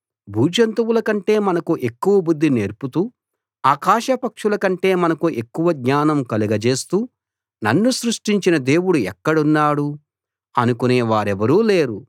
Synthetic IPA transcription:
bʱuːd͡ʒɐnt̪ɐwulɐkɐɳʈe̞ːmɐnɐkuʔe̞kːuʋɐbud̪ʱːine̞ːɾput̪uː | aːkaːʃɐpɐkʂulɐkɐɳʈe̞ːmɐnɐkuʔe̞kːuʋɐɡɲaːnɐmkɐliɡɐt͡ʃe̞ːst̪uː | nɐnːusɾuʂʈiɲt͡ʃinɐd̪e̞ːwuɽuɛkːɐɽunːaːɽu | ɐnukoneːʋaːɾɛʋɐɾuːle̞ːɾu

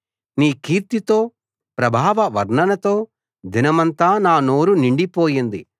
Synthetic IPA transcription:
niːkiːɾt̪it̪o̞ː | pɾɐbʱaːʋɐʋɐɾɳɐnɐt̪o̞ː | d̪ʱinɐmɐnt̪aːnaːnoːɾuniɳɖipoːjind̪i

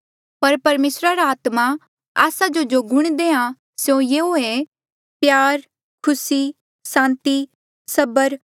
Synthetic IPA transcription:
pɐɾpɐɾmeːsɾaɾaaːt̪ma | a̰ːsad͡ʒod͡ʒoɡʱʊɽ̃d̪eːã | sjõjeːoe | pjaːɾ | kʰʊsi | sãːnt̪i | sɐbəɾ

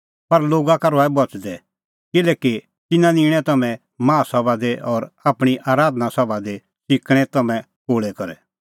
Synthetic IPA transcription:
pɐɾloːɡakaɾɔɛbɔt͡ʃd̪ɛ | kɪlɛːki | t̪ɪnãnĩːɽ̃ɛ̃t̪ɐmɛ̃ | mãːsɔbad̪eʔɔːɾaːpɽ̃iʔaːɾaːd̪nasɔbad̪e | sɪkɽ̃ɛt̪ɐmɛ̃ | koːɭɛkɔɾɛ

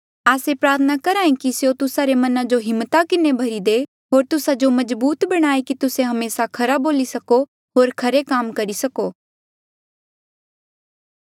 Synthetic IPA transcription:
aːsepɾaːt̪ʰənakɐɾaːĩkisjot̪ʊsaɾemɐnãd͡ʒoɦɪmːt̪akɪnebʱɐɾid̪e | ɦoːɾt̪ʊsad͡ʒomɐzbuːt̪bɐɽ̃aːekit̪ʊsẽɦɐmeːsakʰɐɾaboːlisɐko | ɦoːɾkʰɐɾekaːmkɐɾisɐkoː

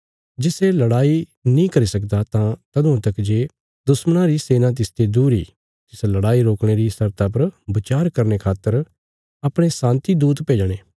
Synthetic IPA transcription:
d͡ʒɪselɐɽaːinĩkɐɾisɐkd̪at̪ãt̪ɐd̪ʊ̃ãt̪ɐkd͡ʒe | d̪ʊsməɽ̃ãɾiseːnãt̪̬ɪst̪ed̪uːɾḭː | t̪ɪslɐɽaːiɾoːkɽ̃eɾisɐɾt̪ap̬ɐɾbɪt͡ʃaːɾkɐɾnekʰaːt̪ːəɾ | ɐpɽ̃esãːnt̪id̪uːt̪peːd͡ʒɽ̃eː

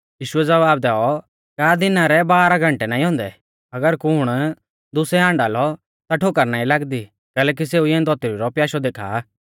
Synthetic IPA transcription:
jiːʃʊɛd͡zɐʋaːb̚d̪ɛːɔ | kaːd̪ɪnaɾɛbaːɾaɡʱɐ̃ɳʈɛnaːĩɦɔ̃ːnd̪ɛ̰ | ɐɡəɾkʊɽ̃ | d̪ʊsɛãːɳɖaːlɔ | t̪aʈʰoːkəɾnaːĩlaːɡd̪i | kɛːlɛːk̬iseːujɛ̃d̪ɔt̪iɾiɾɔpjaːʃɔd̪eːkʰa̰ː

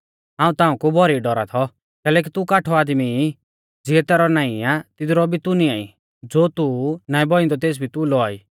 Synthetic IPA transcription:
ãːũt̪aːũkubʱɔɾiɖɔɾa̰t̪ʰɔ | kɛːlɛːk̬it̪ukaːʈʰɔaːd̪mi | d͡ziɛt̪ɛːɾɔnãːĩat̪ɪd̪ɾɔbʱit̪uniaːḭ | d͡zoːt̪unaːĩbɔĩnd̪ɔt̪eːs̬bʱit̪ulɔaːiː

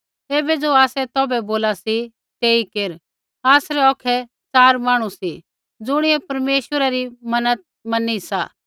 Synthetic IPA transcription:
eːbɛd͡zoaːsɛt̪ɔːbɛboːlasi | t̪eːikeːɾ | aːsɾɛɔːkʰɛ | t͡saːɾmaːɽ̃usi | d͡zʊɽ̃ɪɛpɐɾmeːʃwəɾaɾimɐnət̪̚mɐnisa̰ː

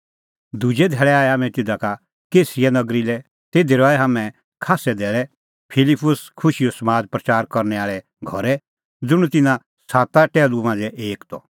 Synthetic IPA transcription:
d̪ʱud͡ʒɛd̪ʱɛːɭɛaːɛaːmɛ̃t̪ɪd̪aka | keːsianɐɡɾilɛ | t̪eːd̪iɾɔːɛɦaːmɛ̃ | kʰaːsɛd̪ʱɛːɭɛ | pʰɪlɪpʊskʰʊʃijɔsɐmaːd͡zpɾɐt͡ʃaːɾkɔɾnɛaːɭɛ | ɡʱɔɾɛ | d͡zʊɽ̃ut̪ɪnã | saːt̪aʈɛːlumãːd͡zɛʔeːkt̪ɔ̰

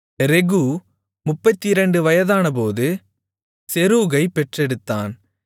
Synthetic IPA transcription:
ɾɛɣu | mʊpːɐt̪ːiɪɾɐɳɖɯʋɐjɐðaːnɐpoːðɯ | sɛɾuːɣɐɪpɛʈrɛɽɯt̪ːaːn

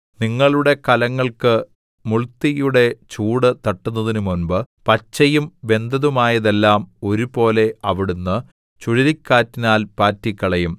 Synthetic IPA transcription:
niŋːɐɭuɽe̞kɐlɐŋːɐɭkɨ | muɭt̪ːijuɽe̞t͡ɕuːɽɨt̪ɐʈːunːɐðinumunbɨpɐt͡ɕːɐjumbe̞nd̪ɐðumaːjɐðe̞lːaːmo̞ɾupo̞ːle̞ɐʋiɽunːɨ | t͡ɕuɻiɾikʲːaːtːinaːlpaːtːikʲːɐɭɐjum

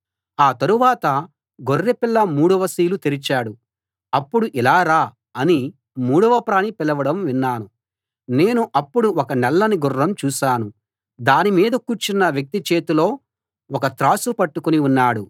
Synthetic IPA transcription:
aːt̪ɐɾuʋaːt̪ɐ | ɡorːepilːɐmuːɽɐʋɐsiːlut̪eɾit͡ʃaːɽu | ɐpːuɽuʔilaːɾaː | ɐni | muːɽɐʋɐpɾaːnipilɐʋɐɽɐmʋinːaːnu | ne̞ːnuʔɐpːuɽuɔkɐnɛlːɐniɡurːɐmt͡ʃuːʃaːnu | d̪aːnimiːd̪ɐkuːɾt͡ʃinːɐʋjɐk̚t̪it͡ʃe̞ːt̪ulo̞ː | ɔkɐt̪ɾaːsupɐʈːukuniunːaːɽu

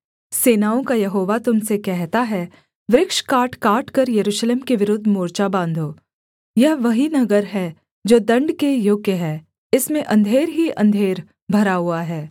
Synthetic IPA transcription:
seːnaːõkajɐɦoːʋat̪ʊmsekɛɦt̪aɦɛ | ʋɾɪkʃkaːʈʰkaːʈkɐɾjɐɾuːʃleːmkeʋɪɾʊːd̪ʱmoːɾt͡ʃabãːnd̪ʱoː | jɐɦʋɐɦinɐɡəɾɦɛ | d͡ʒoːd̪ɐ̃ɳɖkejoːɡəɦɛː | ɪsmẽʔɐ̃nd̪ʱeːɾɦiʔɐ̰̃nd̪ʱeːɾ | bʱɐɾaɦʊaɦɛː

